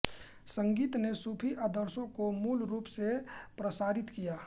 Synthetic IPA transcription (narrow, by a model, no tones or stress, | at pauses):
sə̃ŋɡiːt̪nesuːpʰiʔəd̪əɾsõkomuːlɾuːpsepɾəsaːɾɪt̪kijaː